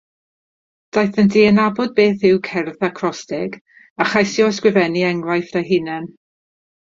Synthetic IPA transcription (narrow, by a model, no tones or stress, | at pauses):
d̥ajθəndiːənabɔd̚beːθɪwkʰɛrðakʰrɔstɪɡ | aχajsjɔskwɪvɛniɛŋlajθdajɦɪnɛn